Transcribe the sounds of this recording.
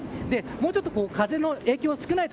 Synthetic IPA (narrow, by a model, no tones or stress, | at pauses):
d̪e̞mo̞ːt͡ɕo̞t̪ːoko̞ːkaze̞no̞e̞ːkʲoːsɨ̥kɯnait̪